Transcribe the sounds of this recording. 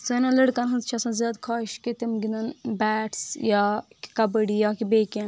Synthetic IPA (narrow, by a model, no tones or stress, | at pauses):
sɐnɐ̃ləɽkɐnɦɐnzt͡ʃʰɐsɐ̃nzjaːd̪kʰaːiʃket̪imɡind̪ɐnbæːʈsjaːki̥kɐbəɽijaːkibeːken